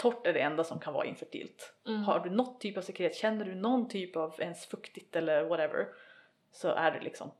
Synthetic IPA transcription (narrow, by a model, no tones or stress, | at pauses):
t̪ʰɔʈːæɖɛɛnd̪asɔmkʰanvɑ̰ːɾaɪ̰nfəʈʰḭːlt̪haɖɵnɔt̪ʰːyːpavsɛkɾheːt̪ɕɛnːəɖɵnɔnt̪ʰyːpɑvɛnsfɵkt̪ɪt̪ɛlːəɾvɔɾɛvə̰ɾ | sɔ̰ʔæ̰ɖɛ̰lɪ̰ksɔ̰m